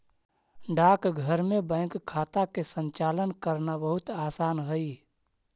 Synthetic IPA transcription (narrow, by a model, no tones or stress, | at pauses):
ɖaːkɡʱəɾmẽbə̃ɪ̃ŋkkʰːaːt̪akesə̃nt͡ʃaːlənkəɾnabəɦʊt̪aːsaːnɦəi